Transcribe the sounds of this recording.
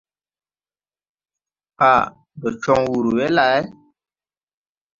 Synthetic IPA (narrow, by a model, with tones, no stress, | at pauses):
a˨ | bə˨t͡ʃɔ˦ŋwu˨ɾu˨wɛ˦la˨˦ɛ˦